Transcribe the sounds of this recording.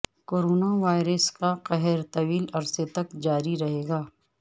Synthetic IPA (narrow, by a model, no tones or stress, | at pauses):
koːɾoːnaʋaːɪɾəskaqɛɦɛɾt̪ɐʋiːlɐɾset̪ɐkd͡ʒaːɾiɾɐɦeːɡaː